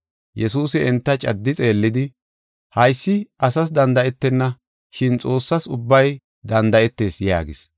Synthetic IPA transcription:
jʔɛsuːsɪɛnt̪ːɐt͡ʃʼɐd̪ːɪt͡sʼe̞ːlːɪd̪ɪ | hɐjsːɪʔɐsɐs̬d̪ɐnd̪ɐɛt̪ːɛnːɐ | ʃɪnt͡sʼo̞ːsːɐsʊbːɐj | d̪ɐnd̪ɐɛt̪ːe̞ːsja̰ːɡɪs

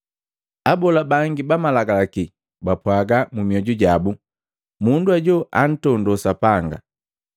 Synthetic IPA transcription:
abɔlabaŋɡibamalaɡalaki | bapwaɡamumiɔɟuɟabu | munduaɟɔʔan̩tɔndɔsapaŋɡa̰

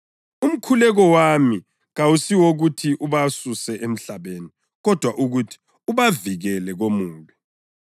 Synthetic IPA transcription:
um̩kʰulɛɣɔwami | ɣawusiwoɣutʰiʔuβasusɛʔem̩ɬaβeːni | ɣɔd̥ʱwaʔuɣutʰi̥ | uβaviɣɛlɛɣomuːlɛ

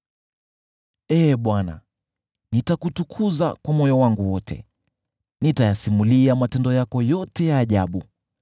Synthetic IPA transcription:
ɛːɓwana̰ | nitakutukʰuza̰kwamɔjɔwaŋɡuwɔtʰɛ̰ | nitajasimuliamatɛndɔjakɔjɔtɛjaːʄaɓu

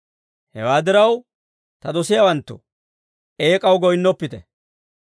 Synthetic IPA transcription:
hɛ̰waːd̪ɪɾɐw | t̪ɐd̪ɔsɪjawɐnt̪ːʊ̰ | e̞ːkʼɐwɡɔjnːɔpːɪt̪ɛ

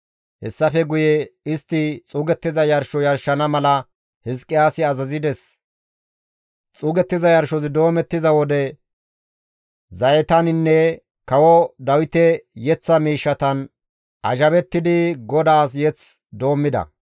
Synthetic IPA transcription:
hɛsːɐfɛɡʊjɛɪst̪ːɪt͡sʼuːɡɛt̪ːɪzɐjɐɾʃɔjɐɾʃːɐnɐmɐlɐ | hɪskʼːɪjaːsɪɐzɐzɪd̪ɛs | t͡sʼuːɡɛt̪ːɪzɐjɐɾʃɔsɪd̪o̞ːmɛt̪ːɪzɐwɔd̪ɛ | zɐjɛt̪ɐnɪnːɛ | kɐwɔd̪ɐwɪt̪ɛjɛt͡sːɐmiːʃːɐt̪ɐn | ʔɐʒɐβɛt̪ːɪd̪ɪɡɔd̪aːs̬jɛt͡s | d̪o̞ːmːɪd̪ɐ̰

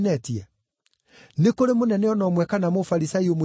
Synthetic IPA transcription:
nɛtia | nekoɾemonɛnɛɔnɔmwɛkanamofaɾisaiomo

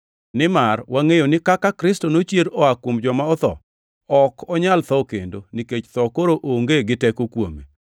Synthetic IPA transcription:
nɪmarwaŋejonɪkakakɾɪstonot͡ʃjeɾɔakwomd͡ʒɔmaɔt̪ɔ̰ | ɔkʰɔɲalt̪ɔkḛndoniket͡ʃt̪ɔkoɾoʔoŋɡeɡɪtɛkokwomḛ

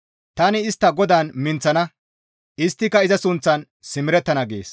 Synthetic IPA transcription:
t̪ɐnɪːst̪ːɐɡɔd̪aːnmɪnt͡sːɐnɐ | ʔɪst̪ːɪkːɐɪzɐsʊnt͡sːɐn | sɪmɪɾɛt̪ːɐnɐɡḛːs

